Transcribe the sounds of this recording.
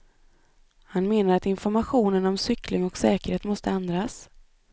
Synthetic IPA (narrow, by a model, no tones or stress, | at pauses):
hanmeːnaɾat̪ɪnfɔɾmaɧuːnənɔmsʏklɪŋɔksɛːkəɾheːt̪mɔst̪əɛnd̪ɾas